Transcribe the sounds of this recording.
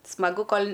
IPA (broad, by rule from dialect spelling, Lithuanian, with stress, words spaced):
smɐˈɡʊ ˈkoːlʲ